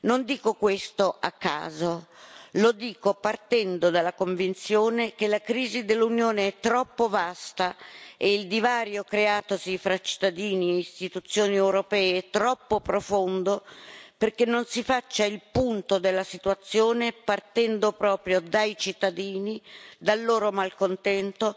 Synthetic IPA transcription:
nond̪iːkokwest̪oʔakːa̰ːzolod̪iːkopart̪ɛnd̪od̪alːakoɱvint̪sjoːnek̟elakɾiːzid̪elːunjoːneɛt̪ːɾɔpːovast̪aeild̪ivaːɾjokɾeaːt̪osifɾat͡ʃi̥t̪ːad̪iːnieist̪it̪ut̪sːjoːniɛwɾopɛːeɛt̪ːɾɔpːopɾofond̪operkenːonsifat͡ʃːailpunt̪od̪elːasit̪uwat̪sːjoːnepart̪ɛnd̪opɾɔːpɾjod̪ajt͡ʃit̪ːad̪iːnid̪alːoːɾomalkont̪ɛnt̪o

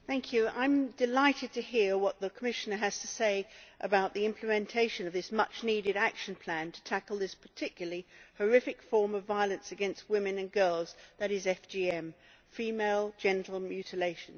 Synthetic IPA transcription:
θæ̃ŋkʰjʉã̰ɪ̃mdɨlaɪɾɨd̚tʰɨɦiɹwʌt̪̚ðəkʰəmɪʃɨnə˞ɨz̥tʰɨseɪʔəbaʊʔ̪̚ðiɪ̃mpʰləmɨ̃ntʰeɪʃɨ̃nʌvðɪsmʌt͡ʃniɾɨɾækʃɨ̃n̩pʰl̥æ̃ntʰə̥tʰækl̩ˠðɪspʰə̥˞tʰɪkjl̩ˠəlihə˞ɪfɨkfɔɹmʌvvaɪəlˠɨ̃nsɨɡɛ̃nst̚wɪ̃mɨ̃nɨ̃nɡɜ˞lˠzðɨɾɨzɛfd͡ʒ̥iɛ̃m | fimeɪlˠd͡ʒɛ̃ntˡl̩ˠmjʉɾɨleɪʃɨ̃n̩

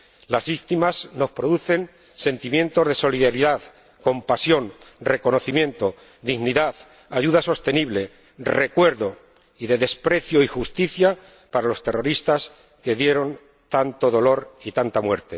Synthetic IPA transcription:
lazβikt̪imazno̞spɾo̞ðuθe̞n | se̞nt̪imje̞nt̪o̞zðe̞so̞liðaɾiðað | ko̞mpasjo̞nre̞ko̞no̞θimjẽ̞nt̪o̞ | d̪iɣniðað | aʝuðaso̞st̪e̞niβ̞le̞ | re̞kwe̞ɾðo | iðe̞ðe̞spɾe̞θjo̞ixust̪iθja | paɾalo̞st̪e̞ro̞ɾist̪as | ke̞ðje̞ɾo̞n | t̪ant̪o̞ðo̞lo̞ɾit̪ant̪amwe̞̰ɾt̪e̞

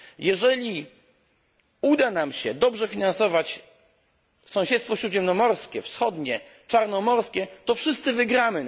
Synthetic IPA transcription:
jɛʐɛlʲi | ud̪anamɕɛd̪ɔbʐɛfʲinansɔvat͡ɕ | sɔ̃w̃ɕɛt̪st̪fɔɕɾud̪ʑɛmnɔmɔɾskʲɛfsxɔd̪ɲɛ | t͡ʂaɾnɔmɔɾskʲɛt̪ɔfʂɘst̪sɘvɘɡɾamɘ

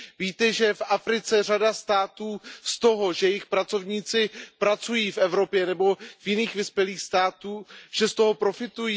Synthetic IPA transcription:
viːt̪ɛʒɛfʔafɾɪt͡sɛr̝adast̪aːt̪uːst̪o̞ɦo̞ʒɛjɪxpɾat͡so̞vɲiːt͡sɪpɾat͡sujiːfʔɛvɾo̞pjɛnɛbo̞vjɪniːxvɪspjɛliːxst̪aːt̪uːʒɛst̪o̞ɦo̞pɾo̞fɪt̪ujiː

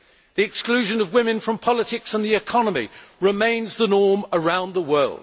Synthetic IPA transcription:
ðiɪksklʉːʒə̃nəvwɪ̃mɪ̃nfɹə̃mpʰɒlɪtʰɪksə̃nðiɪkʰɒnəmḭɹɪmẽɪ̃nzðənɔːməɹãʊ̃nðəwɜːlˠd̥

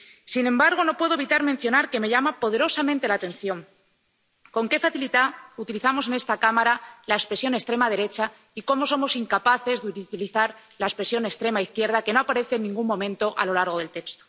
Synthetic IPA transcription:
sinẽ̞mbaɾɣ̞o̞no̞pwe̞ðoβit̪aɾmẽ̞n̟θjo̞naɾke̞me̞ʝamapo̞ð̞e̞ɾo̞samẽnt̪e̞lat̪ẽ̞nθjo̞ŋ | ko̞ŋke̞faθilit̪aut̪iliθamo̞se̞ne̞st̪akamaɾalaespɾesjo̞ne̞st̪ɾe̞mað̞e̞ɾe̞t͡ʃa | iko̞mo̞so̞mo̞siŋkapaθe̞zðeut̪iliθaɾ | laespɾe̞sjo̞ne̞st̪ɾe̞maiθkje̞ɾð̞ake̞no̞apaɾe̞θenːĩŋɡuŋmõ̞mẽnt̪o̞ʔa̰lo̞laɾɣ̞o̞ðe̞lt̪e̞kst̪o̥

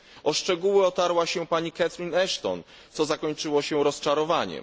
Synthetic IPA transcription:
ɔʂt͡ʂɛɡuwɘɔt̪aɾwaɕɛpaɲikat̪ɾinɛʂt̪ɔ̰n | t̪sɔzakɔɲt͡ʂɘwɔɕɛɾɔst͡ʂaɾɔvaɲɛ̰

